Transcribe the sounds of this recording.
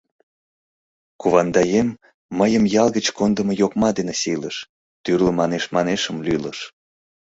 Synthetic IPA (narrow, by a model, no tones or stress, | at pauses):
kuβɑnd̪ɑjemː | əjəmjɑlɣət͡ɕkond̪əməjokmɑd̪enesiləʃ | t̪yrləmɑneʃmɑneʃəmlyləʃ